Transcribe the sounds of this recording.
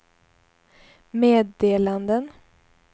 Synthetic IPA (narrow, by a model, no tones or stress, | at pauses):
meːd̪eːland̪ən